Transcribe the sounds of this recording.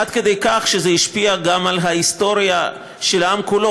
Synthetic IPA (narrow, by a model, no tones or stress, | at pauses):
ad̪ked̪ejkaχʃezehiʃpiaɡamalɦaist̪o̞ʁja | ʃelamkulo